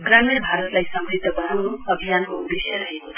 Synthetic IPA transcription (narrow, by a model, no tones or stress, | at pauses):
ɡramirbʱaɾʌt̪lajsʌmbrit̪ːʌbʌnanoʌbʱijankoud̪esaɾʌɦekotʰ